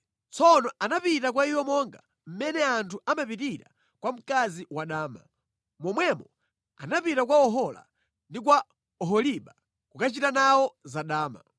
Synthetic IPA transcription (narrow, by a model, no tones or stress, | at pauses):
t͡sʰɔnɔanapitak̬waijwɔmɔŋɡa | m̩mɛnɛantʰuamapitiɾa̰ | kwam̩kaziwaɗaːma̰ | mɔmwɛmɔ | a̰napitakwaɔɦɔla̰ | ndik̬wa | ɔɦɔliɓa | kukat͡ʃitanawɔzaɗaːma̰